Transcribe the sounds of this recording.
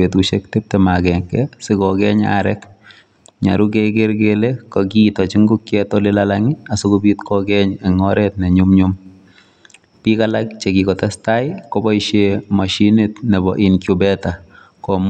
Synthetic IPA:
etuʃɛk̚tep̚tɛmakɛŋkɛsɪkɔɡɛɲa̰ɾɛk | ɲa̰ɾukɛɡeɾɡelekɔɡitɔt͡ʃiŋɡukjɛtɔlɪlalaŋɪasukubitkɔɡɛɲɛŋɔɾɛtnɛɲʊmɲʊm | pikalak̚t͡ʃɛɡikɔtɛstaɪkɔbɔiʃemaʃinetnɛbɔʔinkjubɛta | kɔm

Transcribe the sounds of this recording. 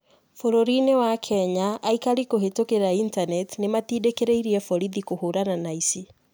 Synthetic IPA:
foɾoɾinewakʰɛɲaʔːikaɾikoɦetokeɾaintanɛtnematiːdekeɾeiɾiɛfɔɾiðikohoɾananaisi

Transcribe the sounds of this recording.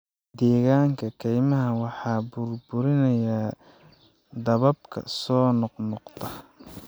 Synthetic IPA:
d̪ɛːɣaːŋkʰɐkʰɛjmɐɦɐwɑħɑːbʊrbʊɾɪnɐjaː | d̪ɐβɐbkʰɐ̰sɔːnɔqnɔqt̪ʰɐ

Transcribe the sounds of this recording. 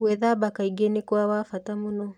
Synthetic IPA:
wɛðabakaiɡɛnikuawafatamunɔ

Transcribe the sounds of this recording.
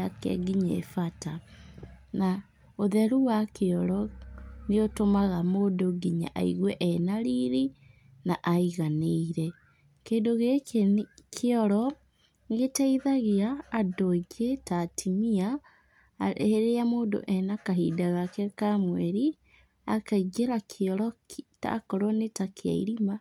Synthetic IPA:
akɛ̰ɡiɲɛ̰fata | na | oðɛɾuwakeɔɾɔneotomaɣamoːdoɡiɲa̰ʔa̰iɣwɛʔɛnaɾiɾi | naʔaiɣaneiɾɛ | keːndoɣe | kʰeɔɾɔ | ɣetaiðaɣeaːdoɡetatʰimia | heɾeamoːdo̰ʔɛnakaɦiːdaɣakɛkamwɛɾi | akaiɡeɾakʰeɔɾɔta̰kɔɾwɔnetakʰea̰ḭɾima

